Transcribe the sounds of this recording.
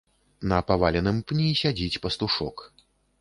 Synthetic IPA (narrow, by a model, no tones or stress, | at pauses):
nɐpavalʲɛnɨmpnʲisʲad͡zʲit͡sʲpɐst̪uʂɔk